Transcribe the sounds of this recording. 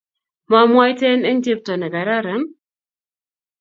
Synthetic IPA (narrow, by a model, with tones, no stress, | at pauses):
ma˨mwa˦jtɛ˦ne˦n̩˦te˦p̚tɔ˨nɛ˨ɡa˨ɾa˦ɾɛ˨˦m